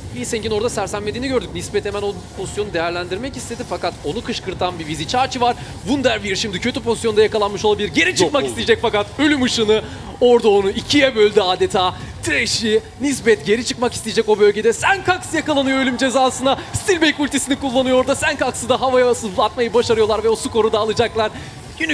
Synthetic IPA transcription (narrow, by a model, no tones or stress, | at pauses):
biseɲcino̞ɾd̪asæɾsænmed̪iːniɟø̞ɾd̪yc̚nisbɛt̪ʰemæno̞pʰo̞zisjo̞nud̪e̞jæɾlʲænd̪iɾmɛcist̪ʰe̞d̪ifakat̪o̞nukʰɯʃkɯɾt̪ʰanbivizit͡ʃʰaːt͡ʃʰɯvaɾ | vund̪æɾviɾʃimd̪icʰø̞t̪ʰypʰo̞zisjo̞nd̪ajakalˠanmɯʃolˠabilʲiɾɟe̞ɾit͡ʃʰɯk̚makist̪ijd͡ʒɛcfakat̪ø̞lʲymɯʃɯnɯ | o̞ɾd̪aonuicʰijɛbø̞lʲd̪iaːd̪et̪ʰaː | t̪ʰɾeʃi | nisbɛt̪ɟe̞ɾit͡ʃʰɯkmakist̪ʰijd͡ʒɛco̞bø̞lʲɟe̞d̪ɛsænkʰaksjakalˠanɯjoølʲymd͡ʒe̞zaːsɯnast̪ilʲbejkulʲt̪ʰisinikulˠːanɯjo̞ɾd̪asænkʰaksɯd̪aɦavajasɯblˠat̪̚majɯbaʃaɾɯjo̞lˠaɾvɛo̞suko̞ɾud̪aːlˠɯd͡ʒaklˠaɾ̥ | yn